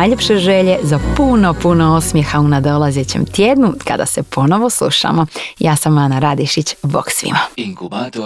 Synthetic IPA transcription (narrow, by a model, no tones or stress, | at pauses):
ajʎepʃeʒeʎezapunopunoosmjexaunad̪o̞lˠazet͡ɕḛmt̪jeːd̪nuka̰d̪a̰sepʰo̞no̞ʋoslˠṵʃa̰mojaːsamanaɾad̪iʃit͡ɕbo̰ksʋḭma